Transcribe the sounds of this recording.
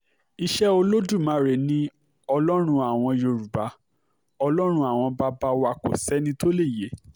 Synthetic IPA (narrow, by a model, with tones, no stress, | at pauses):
i˧ʃɛ˦o˧lo˦du˦˨mã˨˦ɾe˨nĩ˦ | ɔ˧lɔ˦ɾ̃ũ˧a˨w̃ɔ̃˧jo˧ɾu˨ba˨˦ | ɔ˧lɔ˦ɾ̃ũ˧˦a˨w̃ɔ̃˧ba˧ba˧wa˧ko̰˨sɛ˨˦nĩ˧to˦le˦˨je˨˦